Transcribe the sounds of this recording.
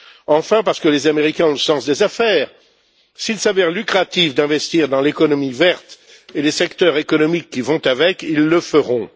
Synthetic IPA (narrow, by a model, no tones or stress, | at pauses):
ɑ̃fɛ̃paʁsə̥kəlezameʁikʲɛ̃ɔ̃ləsɑ̃sd̪ezafɛːʁ | silsavɛʁlykχat̪ifd̪ɛ̃vɛst̪iʁd̪ɑ̃lekɔnɔmivɛʁt̪ | elesɛkt̪œʁekɔnɔmikːivɔ̃t̪avɛkilːəfəʁɔ̃